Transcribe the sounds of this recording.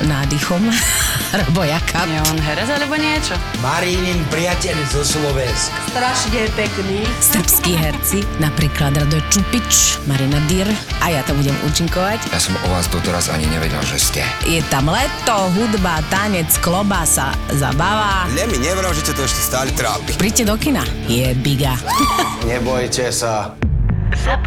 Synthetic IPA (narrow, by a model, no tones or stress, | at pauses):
naːd̪ixɔm | ɾɛbɔjakʰaɲɛɔnɦɛɾɛzalɛbɔɲɪɛt͡ʃɔ | maɾinimpɾijacɛʎzɔslɔʋɛnskst̪ɾaʃɲɛpɛkniːsr̩pskiːɦɛɾt͡sinapɾiːklad̪ɾad̪ɔjt͡ʃupit͡ʃmaɾinad̪iɾʔajat̪ambuɟɛmṵːt͡ʃiŋkɔʋacjasɔmɔʋaːzd̪ɔt̪ɛɾaza̰ɲḭɲɛʋɛ̰ɟɛ̰lʒɛ̰scɛ̰jɛt̪amlɛt̪ɔɦud̪bat̪aɲɛt͡sklɔbasa̰za̰baʋaːʎɛmiɲɛʋɾamʒɛstɛt̪ɔɛʃcɛst̪aːʎt̪ɾaːpipɾiːɟcɛd̪ɔkinajɛbiɡaɲɛbɔjcɛsa